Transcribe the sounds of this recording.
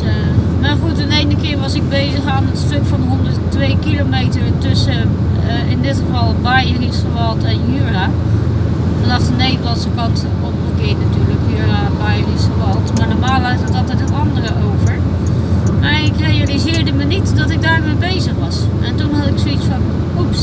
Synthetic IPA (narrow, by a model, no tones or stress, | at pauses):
maχutənejnəkɪːɹʋɑsɪɡ̚bejzəχaːnətstøkfɑnɦɔndərttʋejkilomejtəɹtɵsə | ɪndɪtχəvɑlˠbajərisχəʋɑlˠtɛnjyːra | məlaːsənejdəlɑnsəkɑntəɔnəkɪːnatyːɹləkjyːrabajərisəʋɑlˠtmaːɹdɔmaːlˠʋaətɑlˠtɛjtɦənɑndərəʔowvəɹ | ʔaɹɪkrejalizɪːɹdəmənitdɑtɪɡ̚daːɹmejbejzəχʋɑsʔɛntunɦɑtɪksoitsfɑn | ups